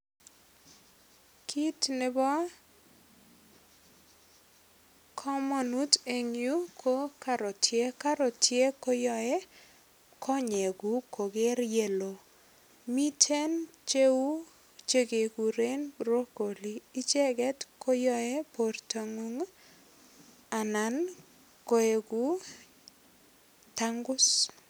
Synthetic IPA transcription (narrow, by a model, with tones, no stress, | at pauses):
kʰi˦tnɪ˨bɔ˦ | kʰɔ˦mɔ˨nu˦te˨ŋju˦kʰo˦ka˨ɾo˨tʰje˦ka˦ɾo˨tje˦ko˦jɔ˦ɛ˦ | kʰɔ˦ɲe˨ɡu˨ko˨ɡe˦ɾje˨lo˨ | mi˦tʰe˦nt͡ʃe˦u˦ | t͡ʃe˦ɡe˨ku˨ɾe˦nbɾo˦ko˨liː˨˦t͡ʃe˦ɡɛ˦tkʰo˦jɔ˦ɛ˦po˨rta˨ŋu˦ŋ | a˨na˨n | ko˨e˨ɡu˨˦ | ta˦ŋɡʊ˦s